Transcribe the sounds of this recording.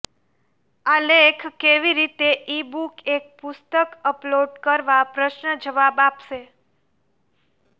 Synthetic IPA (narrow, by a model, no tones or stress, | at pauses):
alekʰkeʋiɾit̪eʔibukek̚pʊst̪əkəploɖkəɾʋapɾəʃnəd͡ʒəʋabapʃe